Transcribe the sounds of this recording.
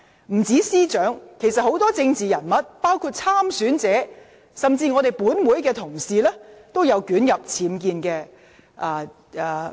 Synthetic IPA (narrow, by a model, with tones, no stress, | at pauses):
m̩˨˩t͡siː˨˥siː˥t͡ʃœː˨˥ŋkʰe˨˩jsɐ˨t̚ho˨˥wt̪ɔː˥t͡sɪ˧ŋt͡siː˨˩jɐ˨˩nmɐ˨t̚paː˥wkʰuː˧t̚t͡sʰaː˥msyː˨˥nt͡sɛː˨˥ | sɐ˨mt͡siː˧ŋɔ˨˧t̪e˨jpuː˨˥nwu˨˥jkɛː˧t̪ʰʊ˨˩ŋsiː˨lɛː˥t̪o˥wjɐ˨˧wkyː˨˥njɐ˨p̚t͡sʰiː˨˥mkiː˧nkɛː˧ | ʔaː˧ | aː˨˩